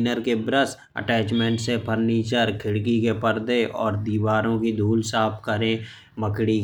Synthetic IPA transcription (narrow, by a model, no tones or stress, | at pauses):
nəɾkebɾəs | ə̰ʈɛːt͡ʃmẽːɳʈsepʰəɾniːt͡ʃəɾkʰɪɽkikepəɾd̪eʔɔːɾd̪iːʋaːɾõkid̪ʱuːlsaːpʰkəɾẽ | məkɽi